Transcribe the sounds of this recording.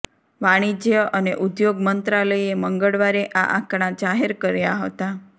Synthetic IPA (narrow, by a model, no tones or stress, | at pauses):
ʋaɽ̃id͡ʒjəʔəneʔud̪joɡmənt̪ɾaləjeməŋɡəɭʋaɾeʔaʔã̰kɳ̃ad͡ʒaɦeɾkəɾjaɦət̪a